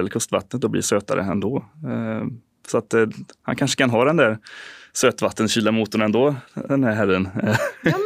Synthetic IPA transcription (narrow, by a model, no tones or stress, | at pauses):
ɛləɾkʰɵst̪va̰t̪nət̪̚d̪ɔblḭʂøːt̪a̰ɾʔə̰ɛ̰nd̪ɔ | sɔat̪ha̰nkʰanʂə̥kʰanɦɑːd̪ɛnd̪æɾsøːt̪vat̪ːənɕyːlamuːt̪ːʊnɛnd̪oːd̪ɛnd̪æɾɦærːən